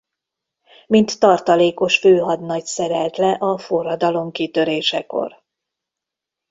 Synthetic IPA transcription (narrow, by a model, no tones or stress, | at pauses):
mint̪ːɒrt̪ɒleːko̞ʃføːɦɒd̪nɒcsɛɾɛlt̪lɛʔɒfo̞rːɒd̪ɒlo̞mkit̪ø̞ɾeːʃɛko̞̰r